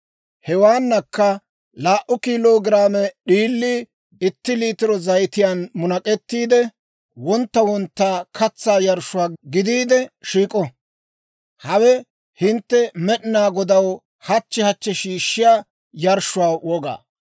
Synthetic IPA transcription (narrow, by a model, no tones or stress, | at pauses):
hɛwaːnːɐkːɐ | laːʔʊkiːloːɡɪɾaːmɛɗiːlːi | ɪt̪ːɪliːt̪ɪɾɔzɐjt̪ɪjaːnmʊnɐkʼɛt̪ːiːd̪ɛ | wɔnt̪ːɐwɔnt̪ːaːkʰɐt͡sːaːjɐɾʃʊwaːɡɪd̪iːd̪ɛʃiːkʼɔ | hɐwɛ | hɪnt̪ːɛmɛɗɪnaːɡɔd̪ɐw | hɐt͡ʃːɛhɐt͡ʃːɛʃiːʃːɪjaː | jɐɾʃʊwaːwɔɡa̰ː